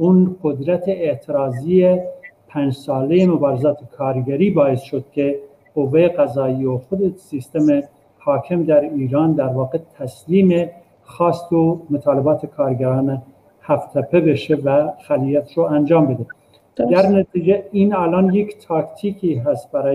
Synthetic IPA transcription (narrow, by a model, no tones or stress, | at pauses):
unqod̪ɾæt̪ʰeet̪ʰeɾɑːzijepʰænd͡ʒsɑːlejemobɑːɾezɑːt̪ʰekʰɑːɾɡæɾiːbɑːesʃod̪̚kʰʲe | qovːejeqæzɑːioxod̪esist̪eme | hɑːkʰemd̪æɾiːɾɑːnd̪æɾvɑːqet̪ʰæsliːme | xɑːst̪omot̪ʰɑːlebɑːt̪ʰekʰɑːɾɡæɾɑːne | hæft̪ʰæpʰebeʃevæxælijæt̪ʃoænd͡ʒɑːmbed̪e | d̪æɾnæt̪id͡ʒeinæːlɑnjekt̪ʰɑːkt̪ʰikʰiɦæst̪̚bæɾɑː